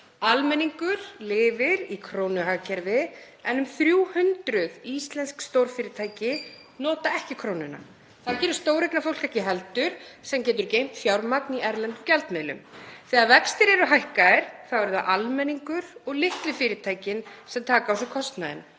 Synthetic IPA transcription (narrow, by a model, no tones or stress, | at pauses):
almɛniŋkʏɾ̥lɪːvɪɾikʰɾoːwnʏɦaɣcʰɛɾvɪ | ɛnːʏmθɾjuːhʏnt̪ɾʏðist̪lɛnskst̪owɾfɪːɾɪt̪ʰaːjcɪ | nɔːt̪aɛhcɪkʰɾoːwnʏna̰ | θaðcɛːɾʏ̥st̪oːwɾejknafowl̥kɛhcɪɦɛlt̪ʏɾ̥sɛmcɛːt̪ʏɾcejm̥t̪fjawɾmakniɛɾlɛnt̪ʏmcɛlt̪mɛðlʏ̰mθɛːɣaðvɛkst̪ɪɾɛɾʏɦajhkaɛɾ̥θawɛɾʏθaʔalmɛniŋkʏɾ̥ɔɣlɪht̪lʏfɪːɾɪt̪ʰaːjcɪnsɛmt̪ʰaːkaaws̬ɛkʰɔst̪naðɪ̰n